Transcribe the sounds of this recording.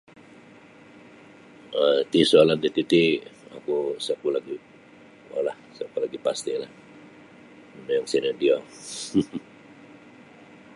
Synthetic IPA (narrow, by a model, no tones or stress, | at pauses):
ət̪isualandit̪it̪ia̰kusakulaɡi | o̰lahsakulaɡipast̪ilah | najaŋsinadia